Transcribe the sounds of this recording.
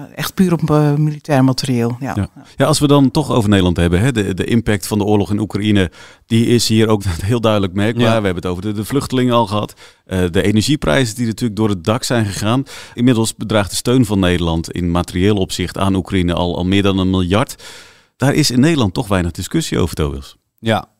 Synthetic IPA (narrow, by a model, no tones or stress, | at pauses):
ɛxtpyːɾɔpmilitɛːɹmatərieːl̰ˠjajaɑlˠsʋədɑntɔxo̰wvərnejdəlˠɑntɦɛbənɦɛdədəʔɪmpɛk̚tfɑndəʊːrlɔχɪnukrainəd̥iɪsɦiːəɾowknɛtɦɪːlˠdœɥdələk̚mɛrk̚baːɹʋəɦɛbənətowvərədəvlʏxtəlɪŋənɑlˠχəɦɑt | ʔədəejnəɹʒiprɛ̰jzədinatyːləɡ̚dʊːɾət̚dɑksɛjnχəχaːnɪnmɪdəl̩ˠsbədraːχtdəstøɥnvɑnːejdəlɑntɪ̰nmatərieːlˠɔpsɪxta̰ːnukrainəʔlˠɑ̰lˠmɪːɹdɑnənmɪlˠjɑɹt | d̥aːɹʔɪsɪnːejdəlˠɑntɔχʋɛjnəɣdɪskøsio̰wvərto̰bɪ̰lˠs